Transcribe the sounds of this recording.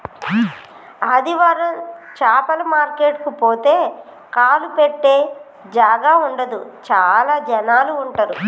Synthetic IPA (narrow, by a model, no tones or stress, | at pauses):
ɐd̪iʋaːɾɐmt͡ʃaːpɐlɐmaːɾkeːʈkupoːt̪e̞ː | kaːlupeʈːe̞ː | d͡ʒaːɡaːuɳɖɐd̪ut͡ʃaːlaːd͡ʒɐnaːluːɳʈɐɾu